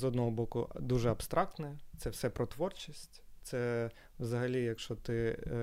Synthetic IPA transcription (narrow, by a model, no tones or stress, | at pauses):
zɔd̪nɔɦɔbɔkʊd̪uʒɛɐbst̪ɾʔɑk̚t̪nɛt̪sɛwsɛpɾʔɔt̪ʋɔrt͡ʃisʲtʲt̪sɛ | wzɐɦɐlʲijɐkʃɔt̪ɪ